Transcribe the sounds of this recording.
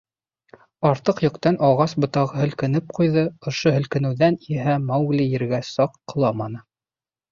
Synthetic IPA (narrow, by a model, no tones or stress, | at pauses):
ɑɾt̪ɤqjŏqt̪ɑnʔɑʁɑsbŏt̪ɑʁɤɦɵ̆lkɘ̆nɘp̚qujðɤŏʃoɦɵ̆lkɘ̆nɘ̆wðæniɦæmɑwɡlʲijɘ̆ɾɡæsɑqːɤ̆lˠɑmɑnɤ